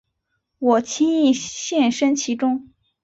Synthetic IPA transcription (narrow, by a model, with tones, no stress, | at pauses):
wɔ˨˩t͡ɕʰi˥ŋi˥˩˧ɕjɛ˥˩nʂə˥nt͡ɕʰi˧˥ʈ͡ʂʊ˥ŋ